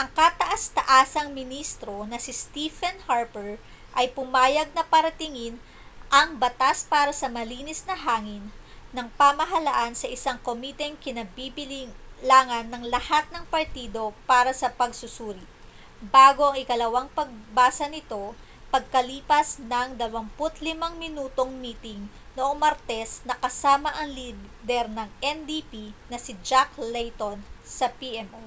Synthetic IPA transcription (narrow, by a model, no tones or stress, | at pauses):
ʔɐŋkɐt̪ɐʔast̪ɐʔaːsɐŋmɪnist̪ɾo̞nɐsɪst̪ifɛnhaɹpɛɹ | ʔɐjpʊmaːjɐɡ̚nɐpɐɾɐt̪ɪŋin | ʔɐŋbɐt̪aspaːɾɐsɐmɐliːnɪsnɐɦaːŋɪnːɐŋpɐmɐɦɐlaʔansɐʔɪsaŋkomit̪ɛŋkɪnɐbibɪllaːŋɐnːɐŋlɐhat̪̚nɐŋpɐɾt̪iːd̪o̞paːɾɐsɐpɐɡsʊsuːɾi | baːɡo̞ʔɐŋɪkɐlɐwaŋpɐɡ̚baːsɐnɪt̪o̞ | pɐɡ̚kɐliːpɐsnɐŋd̪ɐwɐmpʊt̪lɪmaŋmɪnuːt̪o̞ŋmiːt̪ɪŋ | noʔo̞ŋmɐɾt̪ɛsnɐkɐsaːmɐʔɐŋliː | d̪ɛɾnɐŋʔɛnd̪ipinɐsɪd͡ʒaklɛjt̪onsɐpiʔɛmʔo